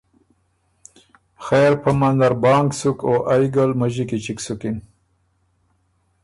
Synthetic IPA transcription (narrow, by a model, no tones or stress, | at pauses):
xeɾpamand̪aɾbɑːŋksukoʔajɡalmaʑikit͡ʃiksukin